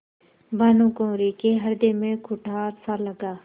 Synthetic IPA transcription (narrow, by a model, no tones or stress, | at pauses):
baːnũːkõːɾikeɦəɾd̪eːmẽkʰʊʈʰaːɾsaːləɡaː